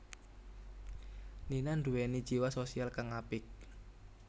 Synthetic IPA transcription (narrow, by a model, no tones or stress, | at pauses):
ninanduwenid̥d͡ʒ̥iwasosialkaŋapɪk̚